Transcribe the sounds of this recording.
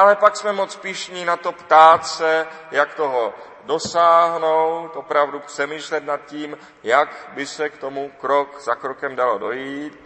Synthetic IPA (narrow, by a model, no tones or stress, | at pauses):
ʔalɛpaksmɛmot͡spɪʃɲiːnat̪o̞pt̪aːt̪sɛjakt̪oɦo | do̞saːɦnowt̪ʔopɾavdupr̥ɛmiːʃlɛt̪nat̪̚ciːm | jakbɪsɛkt̪o̞mukɾokz̥akɾokɛmdalodojiːt̪